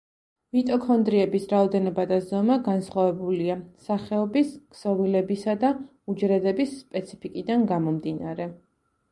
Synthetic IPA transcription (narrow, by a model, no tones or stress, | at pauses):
mit̪ʼɔkʰɔnd̪ɾiɛbisɾaɔd̪ɛnɔbad̪azɔmaɡansχwavɛbuliasaχɛɔbiskʰsɔvilɛbisad̪a | ud͡ʒɾɛd̪ɛbisːpʼɛt̪sʰi̥pʰikʼid̪anɡamɔmd̪inaɾɛ